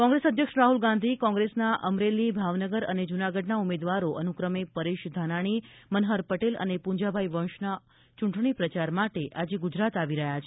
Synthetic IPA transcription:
kɔ̃ŋɡɾesəd̪ʱjəkʂɾaɦulɡãnd̪ʱikɔ̃ŋɡɾesnaʔəmɾelibʱaʋnəɡəɾəned͡ʒunaɡəɖnaumed̪ʋaɾoʔənukɾəmepəɾeʃd̪ʱanaɽ̃imənɦəɾpəʈelə̰nepuɲd͡ʒabʱaiʋə̃ʃna | t͡ʃuɳʈɳipɾət͡ʃaɾmaʈeʔad͡ʒeɡud͡ʒɾat̪aʋiɾəɦjat͡ʃʰe

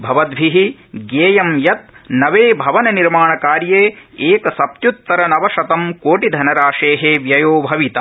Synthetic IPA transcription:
bʱɐʋɐd̪bʱiɦiɡeːjɐmjɐt̪̚nɐʋeːbʱɐʋɐnɐniɾmaːɳɐkaːɾjeːeːkɐsɐp̪̚jut̪ːɐɾɐnɐʋɐʃɐt̪ɐmkoːʈid̪ʱɐnɐɾaːʃeːɦeːʋjɐjoːbʱɐʋit̪ɐ

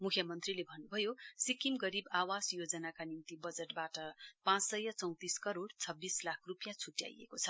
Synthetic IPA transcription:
mukʰjʌmʌnt̪rilebʱʌnːubʱʌjosikimɡʌɾibawasjod͡zʌnakanint̪ibʌd͡zeʈbaʈʌpãt͡ssʌjʌt͡sʌw̃t̪iskʌɾoɽt͡sʰʌbːislakʰrupjãt͡sʰuʈja̰jḛkot͡sʰʌ

